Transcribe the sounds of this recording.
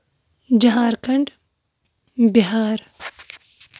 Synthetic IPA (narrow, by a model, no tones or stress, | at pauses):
d͡ʒɐɦaːɾkʰɐɳɖ | beɦaːɾ